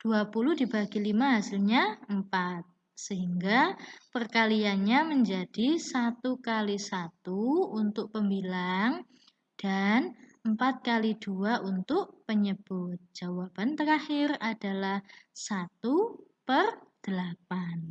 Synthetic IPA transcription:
d̥uapuluhdibaɡilimaɦasɪlɲaəmpat̪̚ | səɦiŋɡapərkalianɲaməɲd͡ʒad̥isat̪ukalisat̪uunt̪ʊʔ̚pəmbilaŋ | d̥anəmpat̪̚kaliduaʔunt̪ʊʔpəɲəb̥ʊt̪̚d͡ʒ̥awab̥ant̪əɾahɪrad̥alahsat̪upərd̥əlapan

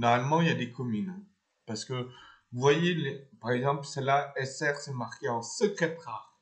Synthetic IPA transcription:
nɔʁmalmɑ̃iljad̪ekɔmyn | paʁsə̥kə | vuvwajelepaʁɛɡzɑ̃plsəlaɛsɛʁsɛmaʁkʲeɑ̃səkχet̪χaʁ

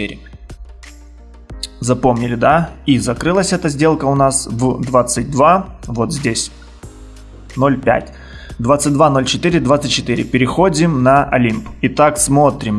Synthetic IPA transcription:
eɾʲɪ | zɐpo̞mnʲɪlʲɪd̪aizɐkɾɨlˠəsʲɛt̪əzʲdʲe̞lˠkəʊnasvd̪vat̪sɨt̚ʲd̪vavo̞t̪zʲdʲesʲ | no̞lʲpʲæ̰tʲ | d̪vat̪sɨt̚ʲd̪vano̞lʲt͡ɕɪt̪ɨɾʲɪd̪vat̪sɨt̚ʲt͡ɕːɪt̪ɨɾʲɪ̰pʲɪɾʲɪxo̞dʲɪmnɐʔɐ̰lʲimpit̪aksmo̞t̪ɾʲɪm

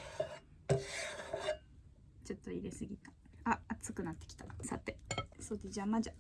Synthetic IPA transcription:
t͡ɕo̞t̪ːo̞ḭɾe̞sɨɡʲit̪ḁ | aːt͡sɨkɯ̟nat̪ːe̞kʲi̥t̪ḁsa̰t̪ːe̞so̞ːd̪e̞d͡ʑamad͡ʑa

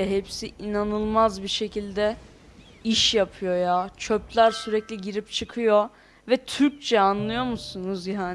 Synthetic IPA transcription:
ɛɦepsiinanɯlˠmazbiʃe̞cʰilʲd̪ɛ | iʃjapʰɯjo̞jat͡ʃʰøplʲæɾsyɾɛclʲiɟiɾipt͡ʃʰɯkʰɯjo̞ | vɛt̪ʰyɾc̚t͡ʃʰɛanlˠɯjo̞musunuzjaːn

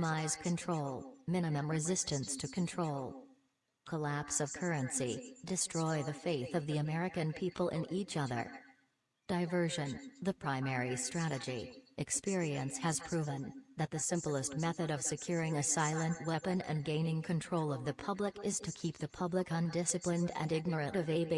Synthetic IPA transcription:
maɪz̥kʰɨ̃ntʰɹ̥oʊlˠmɪ̃nɨmɨ̃mɹɨzɪstɨ̃nstʰɨkʰɨ̃n̩tʰɹ̥oʊlˠ | kʰəlæpsʌv̥kʰɜ˞ɨ̃nsidɨstɹ̥ɔɪðɨfeɪθʌvðiɨmɛɹɨkɨ̃npʰipl̩ˠʔɪ̃nʔit͡ʃʌðə̰˞ | d̥aɪvɜ˞ʒɨ̃nðɨpʰɹ̥ãɪ̃mɛɹistɹ̥æɾɨd͡ʒiʔɨkspɪɹiɨ̃nshɨz̥pʰɹ̥ʉvɨ̃nðɨt̪̚ðɨsɪ̃mpl̩ˠəst̚mɛθɨɾʌv̥sɨkʰj̥ʊɹɪ̃ŋɨsaɪlˠə̃nʔwɛpɨ̃nɨ̰̃nɡẽɪ̃nɪ̃ŋkʰɨ̃ntʰɹ̥oʊlˠʌvðɨpʰʌbləkɪz̥tʰɨkʰip̚ðɨpʰʌbləkə̃ndɪsɨplɨ̃ndɨ̰̃nɪɡ̚nə˞ɨ̃ɾʌveb

